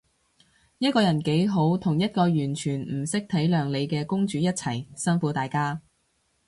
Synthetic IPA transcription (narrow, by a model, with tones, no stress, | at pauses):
jɐ˥t̚kɔː˧jɐ˨˩nke˨˥jɦo˨˥wt̪ʰʊ˨˩ŋjɐ˥t̚kɔː˧jyː˨˩nt͡ʃʰyː˨˩nm̩˨˩sɪ˥k̚t̪ʰɐ˨˥jlœː˨ŋle˨˧jkɛː˧kʊ˥ŋt͡ʃyː˨˧jɐ˥t̚t͡sʰɐ˨˩jsɐ˥nfuː˨˥t̪aː˨jkaː˥